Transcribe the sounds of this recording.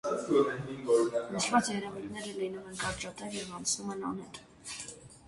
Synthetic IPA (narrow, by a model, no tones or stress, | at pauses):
ɔɛiɡɔɾnəʃvɑt͡sjɛɾɛvut̪nɛɾəlinumɛnkɑɾt͡ʃɑt̪ɛvjɛvɑnt͡sʰnumɛnɑ̰nɛt̪